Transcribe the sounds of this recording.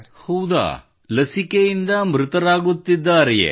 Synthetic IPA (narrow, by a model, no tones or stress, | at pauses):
hɐwd̪a̰ː | lɐsikejind̪ɐmɾut̪ɐɾaːɡut̪ːid̪ːaːɾɛjḛ